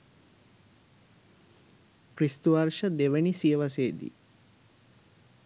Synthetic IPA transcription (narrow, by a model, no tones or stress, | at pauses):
kɾist̪uʋaɾʃəd̪eʋenisijəʋaseːd̪ḭ